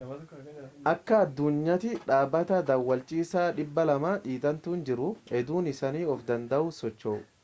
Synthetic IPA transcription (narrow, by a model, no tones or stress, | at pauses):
ʔɐkːɐːd̪ːʊɲːɐt̪ɪᶑaːbːɐt̪ɐd̪ɐwːɐlt͡ʃʼiːsaːᶑɪbːɐlɐmaːᶑiːt̪ʼɐnt̪uːnd͡ʒɪɾʊɛd̪uːnɪsɐniːɔfd̪ɐnd̪ɐʔʊsɔt͡ʃːoː